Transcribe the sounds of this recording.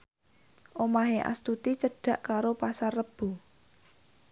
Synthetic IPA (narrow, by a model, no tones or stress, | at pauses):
ʔomaɦeʔa̰st̪ut̪it͡ʃəɖ̥a̤ʔkaɾopasarːəb̥ṳ